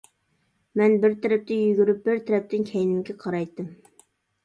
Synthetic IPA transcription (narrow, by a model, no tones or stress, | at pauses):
mɛnbɪɾt̪ʰɛɾɛp̚t̪ʰɛjyɡʲyɾyp̚bɪɾt̪ʰɛɾɛp̚t̪ʰɪnkʲʰɛjnɪmkʲɛqʰɑɾɑjt̪ːɨm